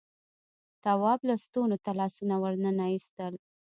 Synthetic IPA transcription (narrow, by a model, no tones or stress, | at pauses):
t̪awɑblast̪onot̪alɑsunawəɾnənaist̪əl